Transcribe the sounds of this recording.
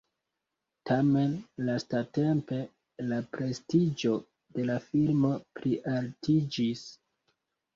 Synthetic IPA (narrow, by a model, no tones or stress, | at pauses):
tʰame̞nlastate̞mpe̞ | lapɾe̞stid͡ʒo̞ | de̞lafilmo̞pɾiʔaltʰid͡ʒis